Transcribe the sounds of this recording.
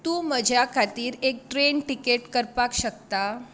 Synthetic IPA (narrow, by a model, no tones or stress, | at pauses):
t̪uːməd͡ʑʱjakʰat̪iːɾek̚ʈɾeɳʈikeʈkəɾpakɕəkt̪a